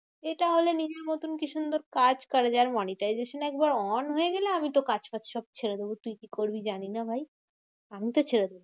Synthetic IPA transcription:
eʈaɦolenid͡ʑeɾnot̪unkiʃund̪oɾkad͡ʑkɔɾad͡ʑaɾmɔniʈajzeʃonɛk̚baɾɔnɦoeɡeleamit̪okad͡ʑpat͡ɕʃɔb̚t͡ɕʰeɾed̪ebot̪ujkikoɾbid͡ʑaninabʱaj | amit̪ot͡ɕʰeɾed̪ebo

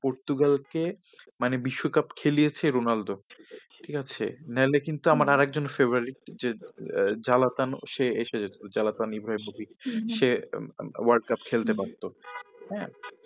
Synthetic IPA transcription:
poɾt̪uɡalke | manebiʃːokapkʰelijet͡ɕʰeɾonaldo | ʈʰikat͡ɕʰḛnɛlekint̪uamaɾaɾɛk̚d͡ʑonfeboɾaɾiʈ̚d͡ʑe | d͡ʑalat̪anʃeeʃed͡ʑat̪oɾd͡ʑalat̪anibʱɾaemobiʃe | waɾɖ̚kapkʰelt̪epaɾt̪oɦɛ̃

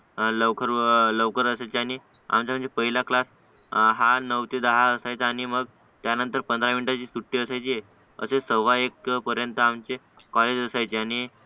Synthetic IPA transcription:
ləʋkʰəɾləʋkəɾəsajt͡ɕeaɽ̃i | a̰mt͡ɕamənd͡ʑepəɦilaklas | ɦanəʋt̪ed̪əɦaəsajt͡saaɽ̃iməɡ | t̪janənt̪əɾpənd̪ɾamiɳʈat͡ɕiːsuʈːiːəsajt͡ɕiːe | ə̰sesəʋaekpəɾjənt̪əamt͡ɕe | kɔled͡ʑəsajt͡ɕeaɽ̃i

